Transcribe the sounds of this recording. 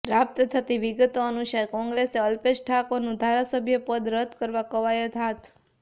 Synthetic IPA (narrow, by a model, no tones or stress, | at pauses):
pɾap̚t̪ət̪ʰət̪iʋiɡt̪oənuʃaɾkɔ̃ŋɡɾeseəlpeʃʈʰakonũd̪ʱaɾasəbʱjəpəd̪ɾəd̪ʱkəɾʋakəʋajət̪ʰat̪